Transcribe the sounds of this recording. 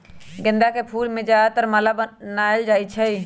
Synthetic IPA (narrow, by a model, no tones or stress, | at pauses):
ɡɪnd̪aːkeːpʰuːlmẽd͡ʒaːt̪əɾmalabnaːɪld͡ʒaːit͡ʃʰəiː